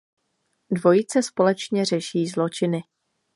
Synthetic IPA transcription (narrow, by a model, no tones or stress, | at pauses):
dvo̞jit͡sɛspo̞lɛt͡ʃɲɛr̝ɛʃiːzlo̞t͡ʃɪnɪ